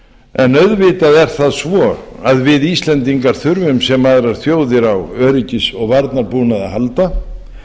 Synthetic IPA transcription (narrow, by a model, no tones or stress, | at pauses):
ɛnœðvɪːt̪aðɛɾ̥θaðsvɔ | aðvɪðiːst̪lɛnt̪iŋkaɾ̥θʏɾvʏmsɛmːaðɾaɾ̥θjoːwðɪɾawœːɾicɪsɔɣvaɾt̪naɾpuːnaðahalt̪a